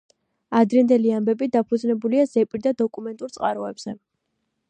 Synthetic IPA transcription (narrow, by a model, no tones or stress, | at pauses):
ad̪ɾɛnd̪ɛliambɛbid̪apʰud̪znɛbuliazɛpʼiɾd̪ad̪ɔkʼumɛnt̪ʼuɾt̪sʼqʼaɾɔɛbz̥ɛ